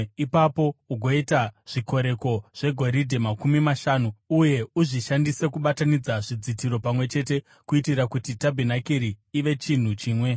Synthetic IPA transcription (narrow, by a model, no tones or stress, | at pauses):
ipapo̞uɡʱo̞itaʐ̥iko̞ɾe̞ko̞ʐ̥e̞ɡʱo̞ɾidʱemakumimaʃaːnuuje̞uʐiʃandise̞kuɓatanid͡zaʐid͡zitiɾo̞pamwe̞t͡ʃe̞te̞ | kuitiɾakutitabʱinakiɾiːʋe̞t͡ʃin̤ut͡ʃiːmwe̞